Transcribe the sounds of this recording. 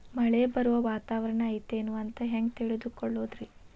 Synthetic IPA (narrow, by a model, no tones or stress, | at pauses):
mɐɭebɐɾuʋɐʋaːt̪aːʋɐɾɐɳɐːjit̪enuɐnt̪ɐɦeŋɡt̪iɭid̪ukɔɭːoːd̪ɾi